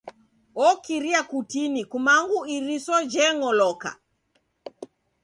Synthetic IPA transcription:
ɔkiɾiakutinikumaŋɡuiɾisɔd͡ʒɛŋɔlɔka̰

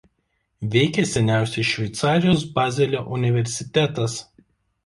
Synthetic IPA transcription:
ʋʲɛɪkʲɛsʲɛnʲæˑʊsʲɛɪʃʲʋʲɛɪt̪sɑːɾʲɪjoːsbɑːzʲɛlʲoːʔʊnʲɪʋʲɛɾʲsʲɪt̪ʲæt̪ɐs

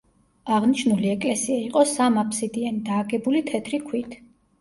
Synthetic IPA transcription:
aʁniʃnuliɛkʼlɛsiaiqʼɔsamapʰsid̪ianid̪aːɡɛbulit̪ʰɛt̪ʰɾikʰwit̪ʰ

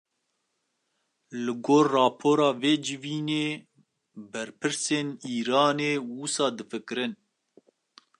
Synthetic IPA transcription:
lɨɡoːrːɑːpʰoːɾɑːveːd͡ʒɪviːneː | bɛɾpʰɨɾseːniːɾɑːneːwusɑːd̪ɨfɨkɨɾɨn

